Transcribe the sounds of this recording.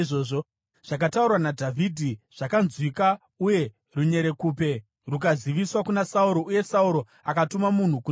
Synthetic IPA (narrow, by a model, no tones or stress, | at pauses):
ʐoːʐo | ʐ̥ak̬ataurwanadʱavʱidʱiʐ̥akanzwika | uje̞ | ruɲe̞ɾe̞kuːpe̞ | ruk̬aziʋiswakunasauɾo̞ʔuje̞sauɾo̞ | akatumamun̤uku